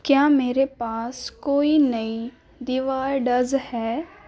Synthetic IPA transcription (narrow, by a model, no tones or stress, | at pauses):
kjaːmeːɾepaːskoːinɐi | d̪ɪʋaːɾɖɐzhɛː